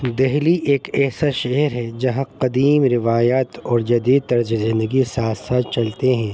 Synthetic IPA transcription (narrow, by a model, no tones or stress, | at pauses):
d̪ɛɦliʔeːkɛːsaʃɛɦɾɦɛd͡ʒɐɦãqɐd̪iːmɾɪʋaːjaːt̪ɔːɾd͡ʒɐd̪iːd̪̚t̪ɐɾd͡ʒezɪ̃nd̪əɡisaːt̪saːt̪t͡ʃɐlt̪eɦɛ̃ː